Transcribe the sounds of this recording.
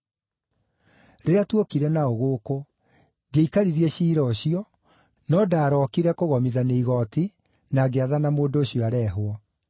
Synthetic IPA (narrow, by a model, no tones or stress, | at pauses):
ɾeɾeatwokiɾɛnaoɣoko | deikaɾiɾiɛɕiːɾɔɕiɔ | nɔdaːɾɔkiɾɛkoɣɔmiðaneiɣɔti | naːɡeaðanamoːndoːɕjɔaɾɛɦwɔ